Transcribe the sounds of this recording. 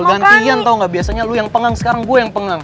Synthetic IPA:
ɡant̪iant̪auŋɡaʔbiasaɲalujaŋpəŋaŋsə̥kaɾaŋɡuajaŋpəŋaŋ

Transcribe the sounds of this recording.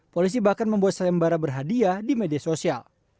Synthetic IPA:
polis̬ibahkanməmbuat̪̚saambaɾabərɦadiadimediasosia̰l

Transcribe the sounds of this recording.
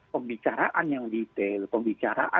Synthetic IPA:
pəmbit͡ʃaɾaʔanjaŋdit̪elpəmbit͡ʃaɾa̰ʔa̰

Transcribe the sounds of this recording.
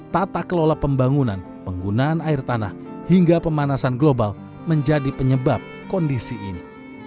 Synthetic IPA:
t̪at̪akəlolapəmbaŋunan | pəŋɡunaːnaɪrt̪ana̰h | hiŋɡapəmanasanɡlobal | məɲd͡ʒadipəɲəbap̚kɔndisḭːni

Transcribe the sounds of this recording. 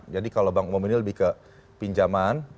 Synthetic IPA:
d͡ʒadikalobaŋumuminiləbɪhkə | piɲd͡ʒaman

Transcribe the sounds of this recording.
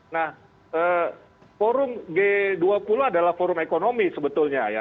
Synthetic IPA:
nah | əː | foɾʊmɡeduapuluadalahfoɾʊmekonomisəbət̪ʊlɲaja̰

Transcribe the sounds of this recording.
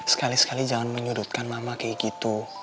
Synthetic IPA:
sə̥kalisə̥kalid͡ʒaŋanməɲudut̪̚kanmamakejkit̪u

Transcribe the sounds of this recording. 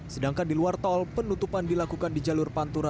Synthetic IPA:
sədaŋkandiluart̪ɔlpənut̪upandilakukandid͡ʒalʊrpant̪uɾa

